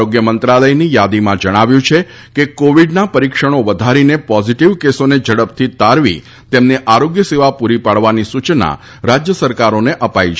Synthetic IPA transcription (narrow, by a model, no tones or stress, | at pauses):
oɡjəmənt̪ɾaləjnijad̪imãd͡ʒəɽ̃aʋjũt͡ʃʰe | kekoʋiɖnapəɾikʃəɽ̃oʋəd̪ʱaɾinepɔziʈiʋkesoned͡ʒəɽəp̚t̪ʰit̪aɾʋḭ | t̪emneʔaɾoɡjəseʋapuɾipaɽʋanisut͡ʃna̰ | ɾad͡ʒjəsəɾkaɾoneʔəpait͡ʃʰ